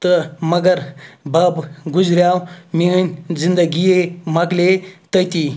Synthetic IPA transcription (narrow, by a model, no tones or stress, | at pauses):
t̪əmɐɡəɾbabɡud͡zɾjawminʲzind̪əɡijemaklet̪əjt̪i